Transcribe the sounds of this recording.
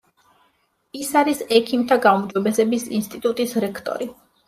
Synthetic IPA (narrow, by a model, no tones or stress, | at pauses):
isaɾisɛkʰimt̪ʰaɡaumd͡ʒɔbɛsɛbisḭnst̪ʼit̪ʼut̪ʼisɾɛkʰt̪ʼɔ̰ɾi